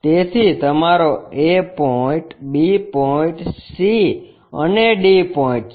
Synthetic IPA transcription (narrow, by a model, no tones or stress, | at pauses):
t̪et̪ʰit̪əmaɾoepɔĩʈbipɔĩʈsi | ə̰neɖipɔĩʈ